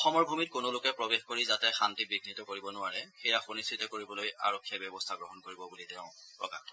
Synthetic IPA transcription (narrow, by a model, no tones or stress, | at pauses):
ɔxɔmɔɹbʱumit̚kʊnolʊkɛpɹɔbexkoɹizatɛxantibiɡʱnitɔkoɹibɔnʊwaɹɛxejaxonistʰitɔkoɹibɔlojʔa̰ɹɔkʰːijabɔbɔstʰaɡɹɔɦɔnkoɹibɔbulitɛʊ̃pɹɔ̰ka̰tʰɔ